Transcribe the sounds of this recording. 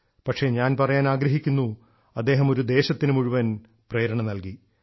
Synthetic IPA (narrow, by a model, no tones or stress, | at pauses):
pɐʈʂe̞ɲaːnpɐrɐjaːnaːɡɾɐɦikʲːunːu | ɐd̪ːe̞ːɦɐmo̞ɾud̪e̞ːɕɐt̪ːinɨmuɻuʋɐn | preːɾɐɳɐmnɐlki